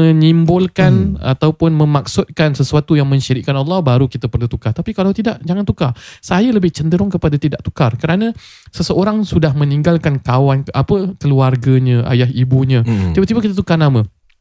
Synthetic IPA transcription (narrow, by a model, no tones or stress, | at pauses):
ə̃nimbʊlkana̰t̪awpʊnmə̃mak̚sʊt̪̚kansəsuat̪ujaŋmə̃ɲʃiɾɪʔkanɑlˠːɑhbaɾukit̪apərlut̪ukaht̪apikalawt̪idaʔd͡ʒaŋant̪ukasajaləbɪht͡ʃənd̪əɾʊŋkəpadat̪idaʔ̚t̪u̥karkəɾanə̃ | səsəoɾaŋsudahmə̃niŋɡalkankawanapəkəluarɡaɲə̃ʔa̰jaɦibuɲə̃t̪ibət̪ibakit̪̬at̪ukanamã